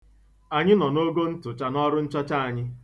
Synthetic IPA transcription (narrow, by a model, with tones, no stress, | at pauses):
a˨ɲɪ˦nɔ˨no˦ɡo˦n̩˦tʊ˨t͡ʃa˨nɔ˦ɾʊ˦n̩˦t͡ʃɔ˦t͡ʃa˦a˨ɲɪ˦